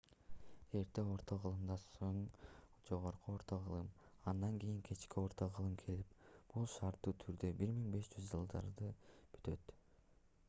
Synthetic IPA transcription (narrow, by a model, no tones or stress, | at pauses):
e̞ɾt̪eo̞ɾt̪ʰoʁɯlˠɯmd̪ɑsoɴd͡ʒo̞ʁo̞ɾquoɾt̪o̞ʁɯlˠɯmɑnd̪ɑŋkijiŋkʰe̞t͡ʃkio̞ɾt̪o̞ʁɯlˠɯmkʰe̞lip̚b̥ulˠʃɑɾt̪ːuːt̪ʰyɾd̪øbiɾmiŋbe̞ʃd͡ʒyzd͡ʒɯlˠd̪ɑ̰ɾd̪ɯb̥y̥t̪ø̞t̪